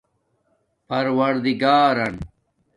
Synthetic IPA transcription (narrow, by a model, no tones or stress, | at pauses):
pɐɾwɐɾd̪iɡaːɾɐn